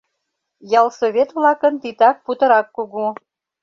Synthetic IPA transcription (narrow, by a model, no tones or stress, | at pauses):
jɑlˠsoβʲet̪βlɑkənt̪it̪ɑk̚put̪ə̆ɾɑkːuɣu